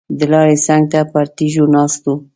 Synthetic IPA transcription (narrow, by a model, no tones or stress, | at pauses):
d̪əlɑɾesaŋɡ̚t̪apaɾt̪iʒonɑst̪o